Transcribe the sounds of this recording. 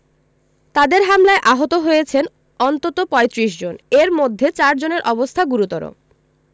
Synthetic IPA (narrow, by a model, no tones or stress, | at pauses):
t̪ad̪eɾɦamlaeʔaɦot̪oɦojet͡ɕʰen | ɔnt̪ot̪opɔet̪ɾiʃd͡ʑoneɾmod̪ʱːet͡ɕaɾd͡ʑoneɾʔɔbost̪ʰaɡuɾut̪ɔɾo̰